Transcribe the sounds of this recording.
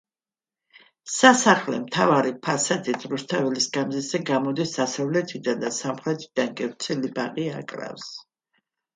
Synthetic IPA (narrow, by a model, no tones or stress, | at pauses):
sasaχlɛ̰mt̪ʰavaɾipʰasad̪it̪ʰɾust̪ʰavɛlisɡamzizɛɡamɔd̪isd̪asavlɛt̪ʰid̪and̪asamχɾɛt̪ʰid̪̥anɡʼɛvt̪sʰɛlibaqʼiakʼɾa̰fs